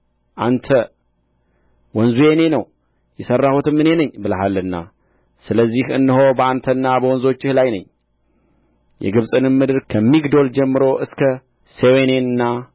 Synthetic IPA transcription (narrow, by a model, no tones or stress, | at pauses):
ʔant̪ʰə | wɔnzujene̞nəw | jɛsərːahut̪ʰɨmːɨne̞nəɲːbɨləɦalːɨnːa̰ | sɨləzːihɨnːɨɦo̞bəant̪ʰənːabəwɔnzo̞t͡ʃːɪhlajnə̰ɲː | jʔɛ̰ɡɨβsʼɨnɨmmːɨd̪ɨɾkʰəmːiɡd̪o̞ld͡ʒɛmːɨɾo̞ʔɨskʰə | sewene̞nɨnːa